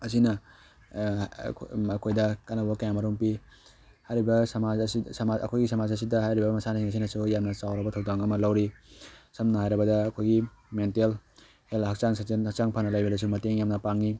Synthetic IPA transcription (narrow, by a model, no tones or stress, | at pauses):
ɐs̬inɐ | ɐkʰojdɐkanɐbɐbɐkɐjamɐɾuŋpi | hajɾibɐsɐmasisɐmaɐ̰kʰojɡisɐmazɐs̬idɐhajɾibɐmɐsanasiŋɐs̬inɐsujamnɐt͡ʃawɾɐbɐtʰwdaŋɐmɐlɐwɾisɐmnɐɦajɾɐbɐdɐːkʰojɡimentel | helhɐk̚t͡ʃaŋsaenhak̚t͡ʃaŋpʰanɐlajbedɐs̬umɐteŋjamnɐpaŋi